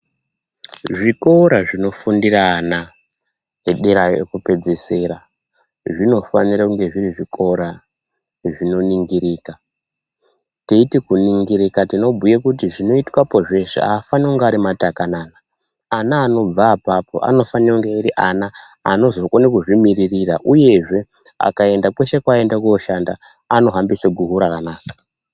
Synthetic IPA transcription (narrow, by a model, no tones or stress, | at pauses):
ʐiko̞ɾaʐino̞fundiraːna | eɗiɾajoḛkupe̞d͡zese̞ːɾa | ʐino̞faniɾakuŋɡe̞ʐiriʐikʰo̞ɾa | ʐino̞niŋɡiɾiːka | teitikuniŋɡiɾikatino̞bʱujekutiʐino̞itwapo̞ʐe̞ʃḛa̰ːfaneuŋɡaɾimatakanaːnaː | naːno̞b͡vaːpapo̞̰ʔa̰no̞faniuŋɡeiɾiʔana̰ː | no̞zo̞konekuʐimiririraʔuje̞ʐe̞ | a̰kae̞ndakwe̞ʃe̞kwae̞ndakuoʃanda | ano̞ɦambisaɡʱuɦuɾakanaːkḁ